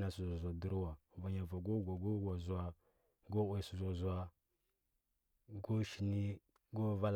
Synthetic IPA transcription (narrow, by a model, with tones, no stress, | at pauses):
na˨su˨za˨zʷa˨du˦ɾu˦wa˨ | va˨ɲa˨va˨ɡo˦ɡʷa˨ɡo˦ɡʷa˨zu˨a˨ | ɡo˦ʔʷwe˨su˨za˨zu˨a˦ | ɡo˦ʃi˨ni˦ | ɡo˦va˦l